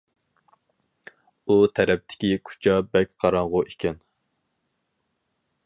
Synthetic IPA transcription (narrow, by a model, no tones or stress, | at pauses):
ut̪ʰɛɾɛp̚t̪ʰɪ̥kʲikʰu̥t͡ʃʰɑbɛkʲqʰɑɾɑŋʁʊʔekʲɛn